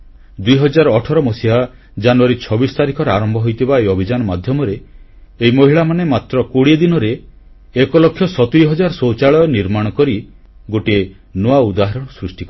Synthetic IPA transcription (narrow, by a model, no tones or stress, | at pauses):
d̪ujɦɔd͡ʒaɾɔːʈʰɔɾɔmɔsiɦa | d͡ʒanuaɾit͡ʃʰɔbisɔ̥t̪aɾikʰɔɾaɾɔmbʱɔɦojt̪ʰibaejɔbʱid͡ʒanɔmad̪ʱjɔmɔɾeː | ɦimoɦiɭamanemat̪ɾɔkoɽied̪inɔɾe | ekɔlɔkʰːjɔsɔt̪iɾiɦɔd͡ʒaɾɔsot͡ʃaɭɔɔniɾmaɽ̃ɔkɔɾi | ɡoʈie | noaud̪aɦɔɾɔɽ̃ɔsɾusʈikɔ